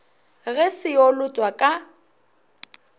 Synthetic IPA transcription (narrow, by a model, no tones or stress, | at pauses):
ɣɛsɪolʊtʼwakʼa